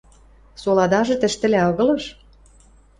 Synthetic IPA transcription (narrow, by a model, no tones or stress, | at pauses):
solɑd̪ɑʒɤ̆t̪ɘ̆ʃt̪ɘ̆læɤɣɤ̆lɤ̆ʃ